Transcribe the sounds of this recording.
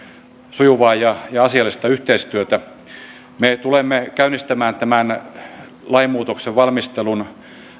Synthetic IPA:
sujuʋɑːjɑjɑɑsiɑlːˑist̪ɑyht̪eist̪yøt̪æ | met̪ulemːekæynist̪æmæːnt̪æmæn | lɑimːuːt̪okseʋʋɑlmist̪elun

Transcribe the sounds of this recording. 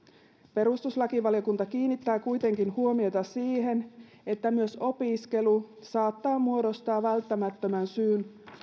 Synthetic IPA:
pe̞ɾust̪uslɑkiʋɑljokunt̪ɑkiːnːit̪ːæːkujt̪e̞ŋkinhuo̞mio̞t̪ɑsiːɦe̞n | e̞t̪ːæmyøso̞piske̞lusɑːt̪ːɑːmuo̞do̞st̪ɑːʋælt̪ːæmæt̪ːø̞mænsyːn

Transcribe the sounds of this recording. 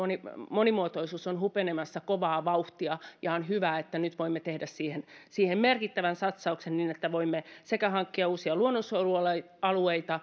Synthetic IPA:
onimonimuot̪oisuːsonɦupenemɑsːɑkoʋɑːʋɑuht̪iɑjɑonɦyʋæːet̪ːænyt̪ʋoimːet̪ehdæssiːhensiːhemmerkit̪ːæʋænsɑt̪sɑuksenniːnet̪ːæʋoimːesekæhɑŋkːiɑuːsiɑluonːosoluɑl | ɑlueit̪ɑ

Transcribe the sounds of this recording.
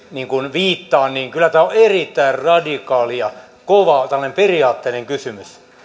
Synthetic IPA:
niːŋkunʋiːt̪ːɑːnniːŋkylːˑæt̪æːoerit̪ːæirrɑdikɑːlijɑ | koʋɑt̪ælːɑnemperiɑːt̪ːeineŋkysymys

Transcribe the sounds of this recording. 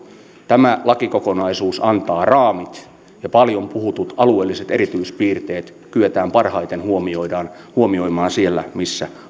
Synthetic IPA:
t̪æmælɑkikokonɑisuːsɑnt̪ɑːrɑːmit̪ | jɑpɑljompuhut̪ut̪ɑlueːlːiset̪eɾit̪yispiːrt̪eːt̪ | kyøt̪æːmpɑrhɑit̪enhuomioidɑːn | huomioimɑːsielːæmisːæ

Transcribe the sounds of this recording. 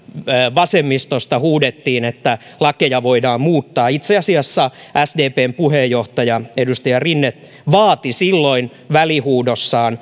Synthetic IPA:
ʋɑsemːist̪ost̪ɑhuːdet̪ːiːnet̪ːæ | lɑkejɑʋoidɑːmmuːt̪ːɑːit̪seɑsiɑsːɑæsdeːpeːmpuhejːoht̪ɑjɑedust̪ɑjɑrinːet̪ | ʋɑːt̪isilːoin | ʋælihuːdosːɑːn

